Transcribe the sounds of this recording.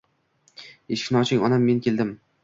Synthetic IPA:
eʃkʲnɒt͡ʃʰɪŋʲɒnamːe̞nkʲʰe̞ld̪ɪm

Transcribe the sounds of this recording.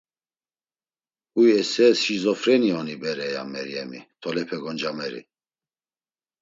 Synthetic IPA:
ujɛsɛsizɔfɾɛniɔnibɛɾɛja̰mɛɾjɛmit̪ʰɔlɛpʰɛɡɔnd͡ʒamɛɾḭ

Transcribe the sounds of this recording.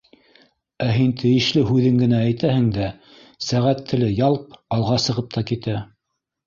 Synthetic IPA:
æɦint̪ʰɘ̆jɘ̆ʃlɘɦʉðɘŋɡɘ̆næːjt̪æhɘ̆ŋd̪æ | sæʁæt̪ʰːɘ̆lɘjɑlˠqɑlˠʁɑsɤ̆ʁɤp̚t̪ʰɑkit̪æ

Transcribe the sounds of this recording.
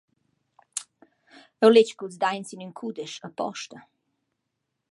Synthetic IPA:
ɛwlet͡ʃkuls̬d̪ajnsinynkʰud̪ɛʃəpɔ̰ʃt̪ə

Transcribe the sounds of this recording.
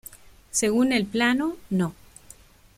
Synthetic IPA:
seɣunelplanono

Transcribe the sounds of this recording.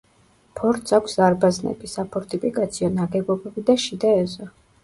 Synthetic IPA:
pʰɔɾt̪sakʷsaɾbaznɛ̰bisapʰɔɾt̪ʰʼipʰʼikʼat̪sʰiɔnaɡɛbɔbɛbid̪aʃid̪aɛzɔ

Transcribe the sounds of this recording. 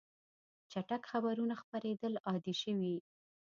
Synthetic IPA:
t͡ʃaʈakxabaɾunaxpaɾed̪əlɑd̪iʃəwi

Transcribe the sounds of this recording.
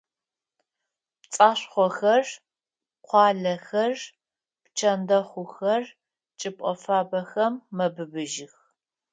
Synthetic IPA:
t͡sʼaːɕʷχʷɔxɐr | qʷʰɑːɮɐxɐr | pt͡ʃʰɐndɐχʷʊxɐr | t͡ʃʼɨpʼɔfaːbɐxɐmːɐbɨbɨʒɪx

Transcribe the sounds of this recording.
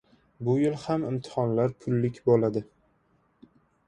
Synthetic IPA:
bʊjɪlˠhamɪmt̪ʰɪ̥hɒnlaɾpʰʊlːɪkʲbolad̪ɪ

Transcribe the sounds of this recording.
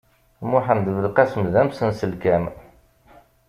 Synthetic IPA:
mʊħənd̪əvəlqæsmðæmsənsəlkæm

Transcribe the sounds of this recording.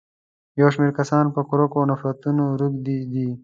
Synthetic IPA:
joːʃmeːɾkɐsɑːnpəkʊɾokonɐfɾɐt̪unoɾukd̪id̪iː

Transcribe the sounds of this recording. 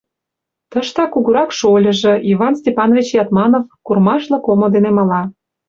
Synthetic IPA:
t̪əʃt̪ɑkuɣuɾɑkʃolʲə̆ʒĕʔiβɑnsʲtʲepɑnovʲit͡ɕjɑt̪mɑnofkurmɑʃlɤ̆komŏd̪enemɑlɑ

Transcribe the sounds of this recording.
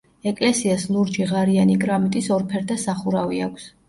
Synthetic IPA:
ɛkʼlɛsiaslˠuɾd͡ʒiʁaɾianikʼɾamit̪ʼisɔɾpʰɛɾd̪ʰasaχuɾaviakʷʰs

